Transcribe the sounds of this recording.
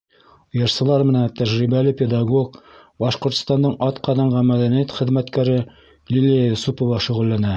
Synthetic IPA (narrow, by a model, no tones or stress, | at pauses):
ŏjɤ̆ɾsɤ̆lˠɑɾmɘ̆nænt̪æʑɾibælɘpʲed̪ɑɡokbɑʃqŏɾt̪ŏ̥st̪ɑnd̪ɤɴʔɒt̪qɑðɑɴɢɑnmæd̪ænijæt̪χɘ̆ðmæt̪kæɾɘ | lʲilʲijasupŏvɑʃŭʁɘ̆lːænæ